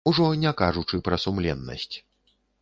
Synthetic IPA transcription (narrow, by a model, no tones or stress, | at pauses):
uʐɔnʲɛkaʐut͡ʂɨpɾɐsumlʲɛ̰nːɐ̰sʲt͡sʲ